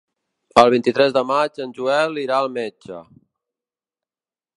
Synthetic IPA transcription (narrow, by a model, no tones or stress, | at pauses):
əlˠβint̪it̪ɾɛzðəmad͡ʒənʲʒuɛliɾaəlˠmɛd͡ʒə̰